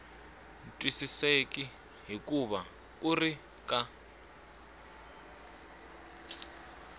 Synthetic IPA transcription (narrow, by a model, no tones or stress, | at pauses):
n̩tʼwisisekʼi | ɦikʼuβa | uri | kʼa